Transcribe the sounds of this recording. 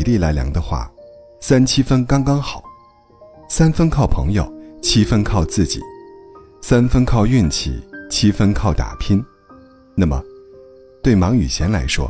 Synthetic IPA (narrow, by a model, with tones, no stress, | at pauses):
li˥˩la˧˥ɪljɑ̰˧˩ŋd̪ə˧xwa̰˥˩ | sa˥nt͡ɕʰi˥fə˥nkɑ˥ŋkɑ˥ŋxɑ˨˩˦ʊ | sa˥nfə˥nkʰɑ˥˩ʊpʰɤ̰˧˥ŋjo˥˧ʊt͡ɕʰi˥fə˥nkʰɑ˥˧ʊt͡sɹ̩˥˩t͡ɕḭ˨˩˦ | sa˥nfə˥nkʰɑ˥˧ʊy˥˩nt͡ɕʰḭ˨˩˦t͡ɕʰi˥fə˥nkʰɑ˥˩ʊt̪a̰˨˩pʰi˥n | na˥˩mə̰˩ | t̪we˥˩ɪmɑ˧˥ŋy̰˨˩ɕʰjɛ˧˥nla˧˥ɪʂwɔ̰˥